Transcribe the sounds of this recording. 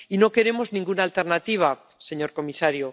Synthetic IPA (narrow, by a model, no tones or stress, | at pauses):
ino̞ke̞ɾe̞mo̞znĩŋɡunalt̪e̞ɾnat̪iβ̞a | se̞ɲo̞ɾko̞misaɾjo